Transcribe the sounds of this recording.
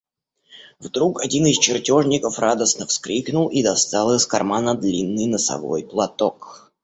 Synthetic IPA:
vd̪ɾukɐdʲinɨst͡ɕɪrtʲo̞ʐnʲɪkəfrad̪əsnəfskɾʲiknʊlˠid̪ɐst̪alˠəskɐrmanəd̪lʲinːɨjnəsɐ̰vo̞̰jplˠɐt̪ok

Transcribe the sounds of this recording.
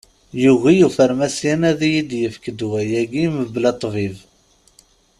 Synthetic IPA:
juʝijufəɾmæsjænæðijid̪jəfkəd̪wæjæɡiməblɑt̪ˤːviv

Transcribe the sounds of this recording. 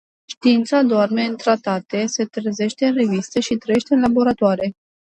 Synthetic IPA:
ʃt̪iint̪sad̪oarme̞ɨnt̪ɾat̪at̪e̞se̞t̪ɾeze̞ʃt̪e̞ɨnre̞vist̪eʃit̪ɾəjeʃt̪eɨnlabo̞ɾat̪oaɾe̞

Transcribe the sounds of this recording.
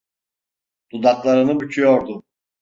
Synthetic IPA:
d̪̥ud̪aklˠaɾɯnɯbyt͡ʃʰyjoɾd̪ʊ

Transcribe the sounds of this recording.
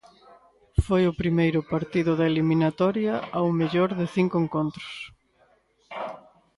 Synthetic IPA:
fojʊpɾimejɾʊpaɾt̪iðʊðɐeliminat̪ɔɾjɐawmeʎoɾðɪθiŋkʊeŋkont̪ɾʊ̥s

